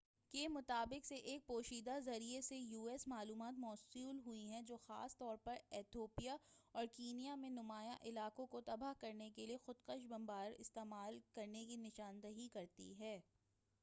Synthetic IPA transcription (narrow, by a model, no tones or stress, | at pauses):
kemʊt̪aːbɪqseʔeːk̚poːʃiːd̪azɐɾiesejuːɛsmaːluːmaːt̪mɔːsuːlɦʊiɦɛ̃d͡ʒoːxa̰ːst̪ɔːɾpɐɾɛːt̪ʰoːpijaɔːɾkiːnijamẽnʊmaːjaʔɪlaːkõkot̪ɐbaɦkɐɾnekeliexʊd̪qəʃbɐ̃mbaːɾɪ̰st̪eːmaːlkɐɾnek̬inɪʃaːnd̪ɐɦikɐɾt̪ḭɦɛː